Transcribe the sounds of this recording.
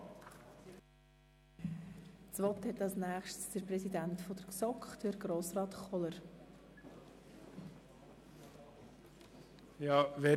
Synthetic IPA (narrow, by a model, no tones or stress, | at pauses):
t͡sʋɔt̪hɛtɑlsnæːχʃtsd̥əɾprɛsidæntfɔd̥̪əɾsɔkχd̥əɾɡɾoːsrɑːt̪χɔləɾ | jɑːvɛ